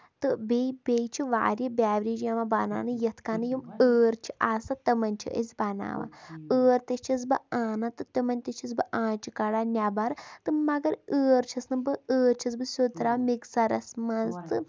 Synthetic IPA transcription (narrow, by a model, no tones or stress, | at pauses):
t̪ɨbebejt͡ʃʰiʋa̰ːɾʲjibʲaːʋɾid͡ʒjamabɐna̰ːnɨjɐt̪ʰkaːnɨjuməːɾt͡ʃʰi̥ʔaːsat̪ɐmɐnʲt͡ʃʰḭʔə̰sʲbɐna̰ːʋa̰əːɾt̪ɐt͡ʃʰɐs̬bɨaːnat̪ɨt̪ɐmɐnʲt̪ɐt͡ʃʰis̬bɨʔãːt͡ʃʰikɐɽaːnʲabaɾt̪ɨmɐɡɐɾəːɾt͡ʃʰɐsnɨbɨəːɾt͡ʃʰɐsbɨsʲut̪ɾaːmiksɐɾɐsmɐnzt̪ɨ